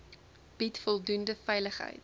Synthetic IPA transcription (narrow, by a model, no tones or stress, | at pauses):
b̥itfɔlˠdundəfɛjləχɦə̰jt